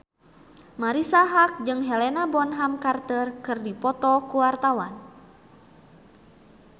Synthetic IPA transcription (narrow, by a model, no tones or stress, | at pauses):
maɾisaɦak̚d͡ʒɨŋɦɛlɛnabɔnɦamkart̪ərkɨrdipɔt̪ɔkuwart̪awan